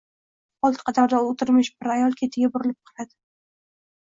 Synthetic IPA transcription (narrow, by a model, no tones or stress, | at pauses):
ɒlˠt̪qʰɑd̪aɾd̪aot̪ʰɪɾmɪʃbɪɾajɒlˠkʲʰe̞t̪ʰɪɡʲabʊɾɪlɪp̚qʰɨlˠad̪ɪ